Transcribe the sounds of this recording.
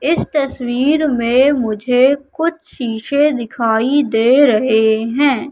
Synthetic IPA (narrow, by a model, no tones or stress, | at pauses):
ɪst̪ɐswiːɾmẽmʊd͡ʒʱekʊt͡ʃʰʃiːʃed̪ɪkʰaːid̪eːɾɐɦeɦɛ̃ː